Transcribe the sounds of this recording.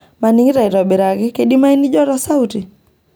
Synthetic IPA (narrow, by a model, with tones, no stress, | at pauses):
ma˨ni˦ŋɡi˦ɾa˨i˨ɾɔ˨bi˨ɾa˨ɡɪ˦ke˨ɗi˦ma˦i˦ni˦d͡ʒɔ˦ɾɔ˦sa˦uti˨